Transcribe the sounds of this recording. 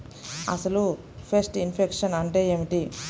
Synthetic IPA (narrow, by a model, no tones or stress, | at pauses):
ɐ̰sɐlu | pʰesʈinpʰekʂɐnɐɳʈe̞ːeːmiʈi